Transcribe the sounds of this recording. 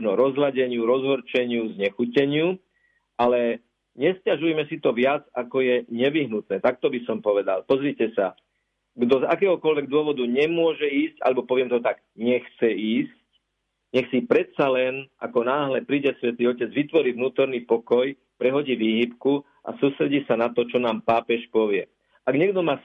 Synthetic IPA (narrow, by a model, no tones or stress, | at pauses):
ʒnɔɾɔzɦlaɟɛɲɪuɾɔzɦɔɾt͡ʃɛɲɪuzɲɛxucɛɲɪu | ʔalɛ | ɲɛscaʒujɛmɛsit̪ɔʋɪad͡zakɔjɛɲɛʋiɦnut̪̚nɛːt̪ak̚t̪ɔbisɔmpɔʋɛd̪a̰lpɔzɾicɛsa | ɡd̪ɔza̰kɛːɦɔkɔlʋɛɡ̚d̪ʊɔʋɔd̪uɲɛmʊɔʒɛiːsca̰lɛbɔpɔʋɪɛmt̪ɔt̪aɡ | ɲɛxt͡sɛiːsc | ɲɛxsipɾɛt̪t͡salɛnʔa̰kɔnaːɦlɛpɾiːɟɛsʋɛt̪iːɔcɛd͡zʋit̪ʋɔɾiːvnuːt̪ɔɾnipɔkɔj | pɾɛɦɔɟiːʋiːɦipku | ʔa̰suːst̪ɾɛɟiːsanat̪ɔt͡ʃɔnaːmpaːpɛʃpɔʋɪɛ | ʔaɡɲɛɡd̪ɔmaː